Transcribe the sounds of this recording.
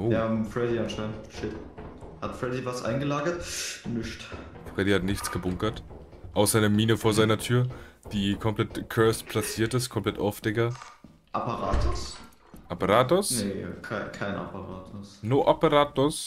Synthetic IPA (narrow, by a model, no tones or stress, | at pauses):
ʔojafʁɛdianʃaɪnʃɪthatfʁ̥ɛdivasʔa̰ɪnɡəlaːɡɐtnɪçtfʁ̥ɛdihatnɪçt͡sɡ̥əbʊŋkɐt | ʔaʊsz̥aɪnəmiːnəfoːɐzaɪnɐtʰyːɐd̥iːkʰɔmpl̥ɛtkʰœɐspʰl̥at͡siːɐtɪstkʰɔmpl̥ɛta̰ʊfd̥ɛkɐ | ʔapaʁaːtʰʊs | ʔapəʁaːtʊsnekʰaɪkʰaɪna̰pʰaʁa̰ːtʰʊsnoːʔopəʁaːtʊs